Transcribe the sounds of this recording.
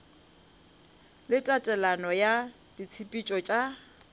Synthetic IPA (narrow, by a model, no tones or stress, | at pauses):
lɪtʼatʼɛlanɔja | d̥it͡sʰipʼit͡ʃʼɔt͡ʃʼa